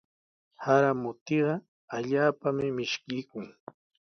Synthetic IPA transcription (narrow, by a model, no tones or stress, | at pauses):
haɾamʊt̪eɢɑ | aʎaːpamɪmɪʃkɪjkʊŋ